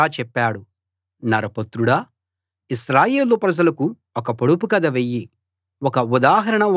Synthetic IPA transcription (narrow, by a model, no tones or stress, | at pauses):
aːt͡ʃɛpːaːɽu | nɐɾɐpɐt̪ɾuɽɐ | isɾaːjeːlupɾɐd͡ʒɐlɐku | ɔkɐpoɽupukɐd̪ɐʋejːi | wɔkɐud̪aːɦɐɾɐɳɐ